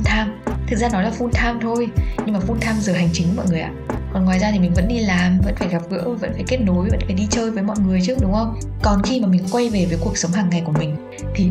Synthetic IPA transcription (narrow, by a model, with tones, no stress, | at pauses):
nt̪ʰaː˧mt̪ʰɨ˨˩k̚zaː˧nɔ˨˦jlaː˨˩fu˧nt̪ʰaː˧mt̪ʰo˧jɲɨ˧ŋmaː˨˩fu˧nt̪ʰaː˧mzəː˨˩ɦa˨˩jŋ̟t͡ɕï˨˦ŋkmɔ̰˧˨jŋɨ˨˩əjʔa̰ː˧˨kɔ˨˩nŋwaː˨˩jzaː˧i˨˩mi˨˩ŋ̟və̰˧˥nɗi˧laː˨˩mvə̰˧˥nfaː˧˩jɣaː˨˩p̚ɣɨ̰˧˥ə˨˩və̰˧˥nfaː˧˩jke˦˥ət̚no˨˦jvə̰˧˥nfaː˧˩jɗi˧t͡ɕəː˧jvəː˨˦jmɔ̰˧˨jŋɨ˨˩əjt͡ɕɨ˦˥ək̚ɗʊ˨˦ŋ͡mhə˧wŋ͡m | kɔ˨˩nxi˧maː˨˩mi˨˩ŋ̟kwa˧jve˨˩vəː˨˦jku˨˩əksə˨˦wŋ͡mɦaː˨˩ŋːa˨˩jku˧˩əmï˨˩ŋ̟ | t̪ʰi˨˩